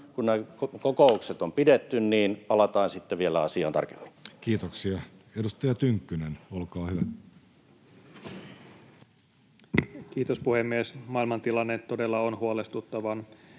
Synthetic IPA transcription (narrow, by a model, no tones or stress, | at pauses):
kunnekokokoukset̪ompidet̪ːynniːnpɑlɑt̪ɑːnsit̪ːeʋielæɑsiɑ̰ːnt̪ɑ̰rke̥m̥ːi̥nkiːt̪oksiɑedust̪ɑjɑt̪yŋkːynenolkɑːhyʋæ | kiːt̪ospuhemːiesmɑːilmɑnt̪ilɑnːet̪ːodelːɑonhuolest̪ut̪ːɑʋɑn